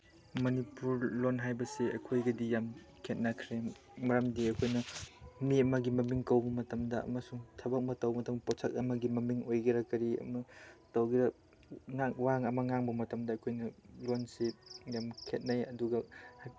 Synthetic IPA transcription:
mɐnipuɾlonɦajbɐseɐ̰kʰojɡɐdijam | kʰet̚nɐkʰɾe | mɐɾɐmdiɐkʰojnɐmiɐmɐɡimɐmiŋkɐwbɐmɐtɐmdɐɐ̰mɐsuŋtʰɐbɐk̚mɐtɐwɐmɐtɐmposʰɐk̚ɐmɐɡimɐmiŋojɡɐɾɐkɐɾiɐ̰mɐtɐwɡiɾɐ | ŋakwaŋɐmɐŋaŋbɐmɐtɐmdɐːkʰojnɐlonsejamkʰet̚nɐjɐduɡɐha

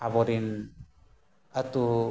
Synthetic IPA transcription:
abɔɾin | at̪u

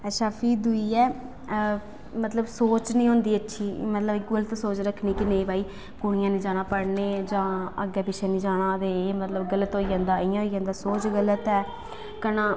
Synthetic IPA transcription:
əʃʰaːpʰiːd̪ʊiːɛː | mət̪ləbsoːt͡ʃnĩːɦõːnd̪iːətːʃʰiːmət̪ləbɡələt̪soːt͡ʃɾəkʰniːkɪneːbaːiː | kʊɽ̃ɪjãːnĩːd͡ʒaːnaːpəɽneːd͡ʒãːə̰ɡɛːpɪʃɛːnĩːd͡ʒaːɽãːt̪eːeːmət̪ləbɡələt̪ɦoːiːãːnd̪aːiːãːɦoːiːd͡ʒãːnd̪aːsoːt͡ʃɡələt̪ɛː | kənãː

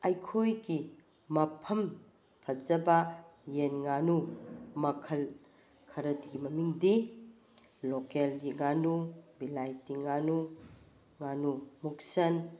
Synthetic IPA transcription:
ɐjkʰojɡi | mɐpʰɐm | pʰɐd͡ʒɐbajenŋanumɐkʰɐl | kʰɐɾɐtɡimɐmiŋdi | lokelɡiŋanubilajtiŋanu | ŋanumuk̚sɐn

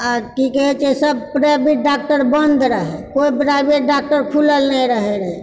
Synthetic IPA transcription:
əɾkikɛɦt͡ʃesəb̚pɾabʱeʈ̚ɖak̚ʈəɾbənd̪ʱɾəɦekoipɾaɪbeʈ̚ɖak̚ʈəɾkʰuləlnəiɾəɦeɾəɦe

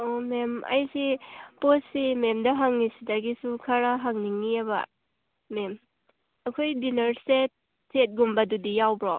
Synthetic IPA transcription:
ɔmemʔa̰jsiposimemdaɦaŋnisidaɡisukʰaɾaɦaŋniŋiaba̰ | mem | akʰojdinɐɾset̚ | sʰet̚ɡumbadudijawbɾɔ

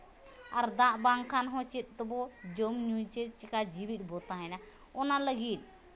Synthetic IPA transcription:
aɾd̪ãʔbaŋkʰanɦɔ̃t͡ʃit̪̚ˀt̪ɔbɔd͡ʒɔmnjut͡ʃɛt͡ʃɛkad͡ʒiwiɗ̚ˀbɔt̪aɦɛna | ɔnaləɡit̪̚ˀ

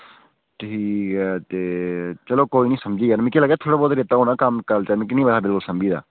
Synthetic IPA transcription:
ʈʰiːkɛːt̪eːt͡ʃəloːkoːiːnĩːsəmd͡ʒiːɛnmĩkiːləɡɛːt̪ʰoːɽaːbɔːt̪ɾeːt̪ːaːɦoːnaːkəmkəɾt͡ʃənmĩk̬ɪnĩːbəɽaːbɪlkʊlsəmd͡ʒiːd̪a̰ː

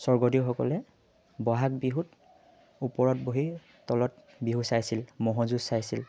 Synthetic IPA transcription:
sɔɹɡɔdiwxɔkɔ̰lɛ | bɔɦak̚biɦut | upɔɹɔt̚boɦi | tɔlɔt̚ | biɦusajsilmɔɦɔzusajsil

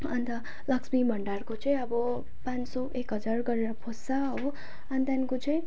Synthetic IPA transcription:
ʌnt̪ʌ | lʌksbibʱʌɳɖarkot͡sʌĩʌbʌ | pãnsoʔekɦʌd͡zarɡʌɾeɾʌpʰosaɦ | ʌnt̪jankot͡sʌĩ

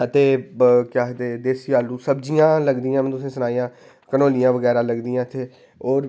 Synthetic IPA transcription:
ət̪eːkjaːt̪eːd̪eːsijaːlːũːsəbd͡ʒijãːləɡd̪ijãːmɛ̃nt̪ʊsẽːsʊnaːijãː | kənoːlijãːʋəɡɛːɾãːləɡd̪ijãːɪt̪ʰːeː | ɔːɾ

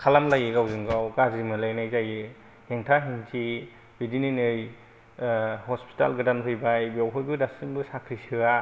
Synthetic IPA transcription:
kʰalamlajɯɡawzɯŋɡawɡazimɯlajnajzajɯ | heŋtʰaɦiŋtʰi | bidininɯj | hɔspʰi̥ta̰lɡɯdamtʰɯjbajbawɦʰɔjbɯdasɯmbɯsakʰɾisɯa

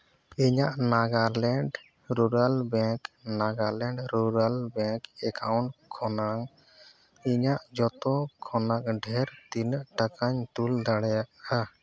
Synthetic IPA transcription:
iɲaʔnaɡaɾlɛɳɖ | ɾuɾalbɛknaɡalɛɳɖɾuɾalbɛkɛkʰawɳʈkʰɔnaŋ | iɲaʔd͡ʒɔt̪ɔkʰɔnak̚ɖʱɛɾt̪inəʔʈakaɲt̪uld̪aɽɛjaʔa

